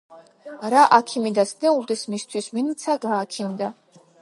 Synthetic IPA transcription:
ɾaʔakʰimid̪asnɛuld̪ɛsmist̪ʰwisminit͡s̪ʰaɡaːkʰind̪a

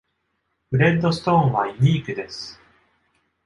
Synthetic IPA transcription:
bɯ̟ɾẽ̞nd̪o̞sɨ̥t̪õ̞ːɰ̃βaiɲ̟ʲiːkɯ̟d̪e̞sɨ̥

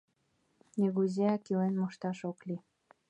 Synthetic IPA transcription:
nʲiɣuzʲeɑkilenmoʃt̪ɑʃokli

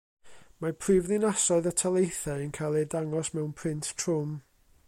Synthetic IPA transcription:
mapʰriːvðɪnasɔɨðətʰalˠejθaənkʰalˠɛdaŋɔsmɛwnpʰrɪntʰtʰr̥ʊm

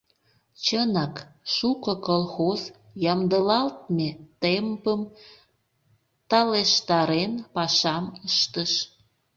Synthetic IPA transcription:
t͡ɕənɑkʃukəkolxoz | jɑmd̪əlɑlt̪̚met̪empəm | t̪ɑleʃt̪ɑɾenpɑʃɑməʃt̪əʃ

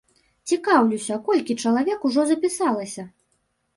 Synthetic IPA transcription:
t͡sʲikawlʲusʲɐkɔlʲkʲit͡ʂɐlˠavʲɛkuʐɔzɐpʲisalˠɐsʲɐ

